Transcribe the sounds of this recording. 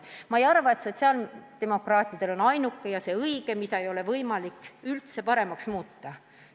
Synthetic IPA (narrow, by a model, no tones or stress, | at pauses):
mɑejɑrvɑet̪so̞t̪ʲsiɑld̪̥e̞mo̞krɑːt̪ʲːˑid̪̥e̞lo̞nɑjnukːejɑse̞ɤiɡ̥e̞mid̪ɑejo̞le̞vɤjmɑlikːˑylt̪se̞pɑɾe̞mɑksmuːt̪ːɑ